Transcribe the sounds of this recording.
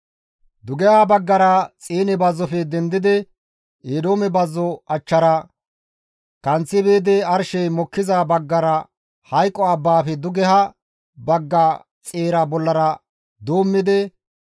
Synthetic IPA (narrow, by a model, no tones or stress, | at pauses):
d̪ʊɡɛhɐbɐɡːɐɾɐt͡sʼeːnɛbɐzːɔfɛd̪ɛnd̪ɪd̪ɛ | eːd̪o̞ːmɛbɐzːɔɐt͡ʃːɐɾɐ | kɐnt͡sːɪbeːd̪ɛɐɾʃɛjmɔkːɪzabɐɡːɐɾɐ | hɐjkʼːɔɐbːaːfɛd̪ʊɡɛhɐ | bɐɡːɐ | t͡sʼeːɾɐbɔlːɐɾɐ | d̪oːmːɪd̪ɛ